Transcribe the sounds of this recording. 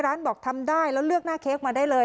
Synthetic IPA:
ɾaː˦˥nbɔː˨˩k̚t̪ʰa˧mdaː˥˩jlɛ˦˥wlɯ˥˩ək̚naː˥˩kʰeː˦˥k̚maː˧daː˥˩jlɤː˧

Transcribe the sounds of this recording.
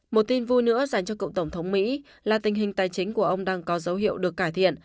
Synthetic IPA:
mo˨˩t̚t̪i˧nvu˧jnɨ̰˧˥əzaː˨˩ŋt͡ɕɔ˧kə̰˧˨wŋ͡mt̪ə˧˩wŋ͡mt̪ʰə˨˦wŋ͡mmḭ˧˥ | laː˨˩t̪ï˨˩ŋ̟ɦï˨˩ŋ̟t̪aː˨˩jt͡ɕï˨˦ŋ̟ku˧˩əʔə˧wŋ͡mɗaː˧ŋkɔ˨˦zə˨˦wɦḭ˧˨əwɗɨ˨˩əkːaː˧˩jt̪ʰḭ˧˨ən

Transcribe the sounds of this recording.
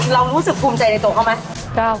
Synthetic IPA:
ɾa˧wɾuː˦˥sɯ˨˩k̚pʰuː˧mt͡ɕa˧jna˧jt̪u˧˩kʰa˥˩ma˦˥ | ka˥˩

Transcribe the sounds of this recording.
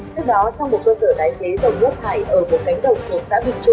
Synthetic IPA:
t͡ɕɨ˦˥ək̚ɗɔ˨˦t͡ɕɔ˧wŋ͡mo˨˩t̚kəː˧səː˧˩t̪aː˨˦jt͡ɕe˨˦zə˨˩wŋ͡mʔɨ̰˦˥ək̚ha̰ː˧˨˩jʔəː˧˩mo˨˩t̚ka˨˦ŋ̟ɗə˨˩wŋ͡mk̪u˨˩ək̚sa̰ː˧˥vï˨˩ŋ̟t͡ɕʊ˧ŋ͡m

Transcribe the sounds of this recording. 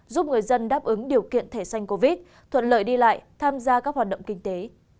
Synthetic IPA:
zu˦˥p̚ŋɨ˨˩əjzə˧nɗaː˦˥p̚ʔɨ˨˦ŋɗi˨˩əwkḭ˧˨ənt̪ʰe˧˩sa˧jŋ̟ko˧vi˦˥t̚ | t̪ʰwə̰˧˨nlə̰ː˧˨jɗi˧la̰ː˧˨jt̪ʰaː˧mzaː˧ka˦˥k̚hwa˨˩ɗə̰˧˨wŋ͡mkï˧ŋ̟t̪e˨˦

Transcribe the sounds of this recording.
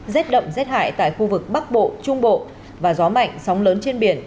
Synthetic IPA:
zɛ˦˥t̚ɗə̰˧˨wŋ͡mzɛ˦˥t̚ha̰ː˧˨jt̪a̰ː˧˨jxu˧vɨ˨˩k̚ɓa˦˥k̚ɓo̰˧˨t͡ɕʊ˧ŋ͡mɓo̰˧˨ | vaː˨˩zɔ˨˦ma̰˧˨jŋ̟sa˨˦wŋ͡mləː˨˦nt͡ɕe˧nɓi˧˩ən

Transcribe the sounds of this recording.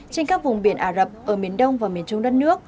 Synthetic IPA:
t͡ɕe˧nkaː˦˥k̚vʊ˨˩ŋ͡mɓi˧˩ənʔaː˧˩zə˨˩p̚ʔəː˧˩mi˨˩ənɗə˧wŋ͡mvaː˨˩mi˨˩ənt͡ɕʊ˧wŋ͡mɗə˦˥t̚nɨ˦˥ək̚

